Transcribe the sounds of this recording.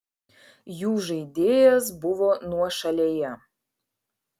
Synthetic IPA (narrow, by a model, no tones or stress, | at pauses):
juːʒɐid̪ʲeːjɛzbuvonuɔʃɐlʲejɛ